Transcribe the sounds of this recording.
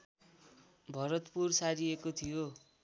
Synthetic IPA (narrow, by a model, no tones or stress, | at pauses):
bʱʌɾʌt̪pursaɾiekot̪ʰijo